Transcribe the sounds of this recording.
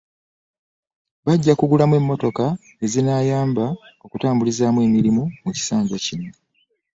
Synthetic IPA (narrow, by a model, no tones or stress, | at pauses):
βaɟːakuɡulamwe̞mːo̞to̞ka | e̞zinaːjaːmbao̞kutaːmbulizaːmwe̞ːmiɾimumuci̥saːɲɟacinːo